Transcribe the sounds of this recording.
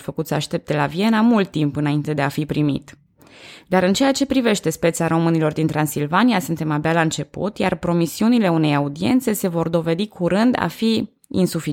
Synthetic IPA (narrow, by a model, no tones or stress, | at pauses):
fəkut̪səaʃt̪e̞p̚t̪e̞lavie̞namult̪ːimpɨnaint̪e̞d̪e̞afipɾimḭt̪ | d̪aɾɨnt͡ʃe̞jat͡ʃe̞pɾive̞ʃt̪e̞spe̞t̪saɾo̞mɨnilo̞rd̪int̪ɾansilvanijasunt̪e̞mabealaɨnt͡ʃe̞pṵt̪ja̰rpɾo̞misiunile̞une̞jaud̪ie̞̰nt̪se̞se̞vo̞rd̪o̞ve̞d̪ikʰuɾɨnd̪a̰fi | ḭnsufi